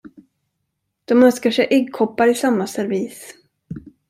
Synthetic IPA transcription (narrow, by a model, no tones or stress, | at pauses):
d̪̥ɔmœnskaʂɛjʔɛɡkʰɔpːaɾɪsamːasɛɾviːs